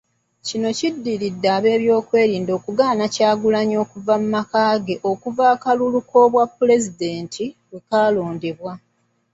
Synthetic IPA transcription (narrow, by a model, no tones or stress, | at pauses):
cino̞cidːiɾidːaːβe̞ːβjo̞ːkwe̞ːɾiːndo̞ːkuɡaːnacaːɡulaɲo̞ːkuvamumakaːɡe̞ʔo̞kuvaːkaluluko̞βwapːule̞zide̞ːntʰiwwe̞kaːlo̞ːndeβwa